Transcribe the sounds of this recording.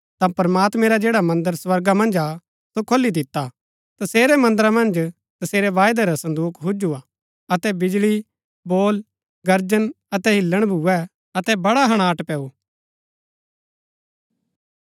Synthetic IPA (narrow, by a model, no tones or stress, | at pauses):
t̪ãpɐɾmaːt̪mɛ̃ɾad͡ʒeːɽamɐ̃nd̪əɾswɐɾɡamɐ̃nd͡ʒa | sokʰolːid̪ɪt̪ːa | t̪ɐseːɾɛmɐ̃nd̪əɾamɐ̃nd͡ʒ | t̪ɐseːɾɛʋaːjd̪aɾasɐ̃nd̪uːkʰɦʊd͡ʒua | ɐt̪ɛbɪd͡ʒɭi | boːl | ɡɐɾd͡ʒən | ɐt̪ɛɦɪlːəɽ̃bʱuɛ | ɐt̪ɛbɐɽaɦɐɽ̃aːʈpɛːu